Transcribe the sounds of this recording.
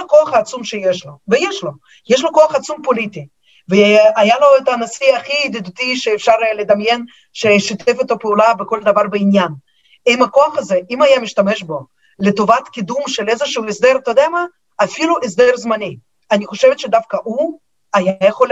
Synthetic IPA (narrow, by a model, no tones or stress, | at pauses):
koaχaːt͡sumʃejeʃlovejeʃlo | jeʃ̬loko̞aχat͡sumpolit̪i | veajaloet̪anasiaχid̪ed̪ut̪iʃeːfʃaɾled̪amjen | ʃeʃit̪ʰefet̪apeulabeko̞ld̪ɐvaɾbeinjan | imako̞aχazeʔimajamiʃt̪ameʃbo̞ | let̪ovat̪kʲid̪umʃelezeʃuuesd̪eɾt̪od̪eamaː | filuʔes̬d̪eɾzmanʲi | aniχoʃevet̪ʃed̪afkɐʔu | ajajeχol